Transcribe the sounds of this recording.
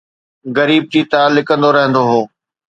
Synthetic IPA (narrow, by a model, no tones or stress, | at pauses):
ɣɐɾiːb̚d͡ʑiːt̪aːlːɪkə̃nd̪oɾɐɦə̃nd̪oɦoː